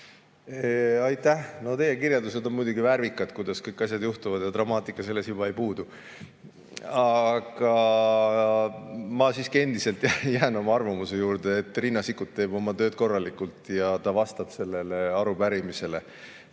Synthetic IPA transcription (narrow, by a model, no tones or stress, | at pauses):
eɑjt̪ːæhno̞t̪e̞jekirjɑld̪use̞d̪o̞nmujd̪uɡivæɾvikːˑɑd̪̥kujd̪̥ɑskɤjkːˑɑs̬ʲjɑd̪juht̪uvɑd̪jɑt̪rɑmɑːt̪ˑikːˑɑse̞lːe̞sjub̥ɑejpuːd̪̥u | ɑɡ̥ɑ | mɑsiːskie̞nd̪ise̞lt̪ˑjæjæːno̞mɑɑrvɑmuse̞juːɾd̪̥eːt̪ːˑrinːɑsikːˑut̪ːe̞ːbo̞mɑt̪ø̞ːt̪̚ko̞rːɑlikːˑult̪ˑjɑt̪ɑvɑst̪ɑb̥se̞lːe̞le̞ɑɾupæɾimise̞le